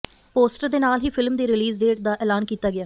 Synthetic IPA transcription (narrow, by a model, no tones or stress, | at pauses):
poːsʈəɾd̪eːnaːlɦiːpʰɪlmd̪eːɾɪliːzɖeːʈd̪aːʔɛːlaːnkiːt̪aːɡɪjaː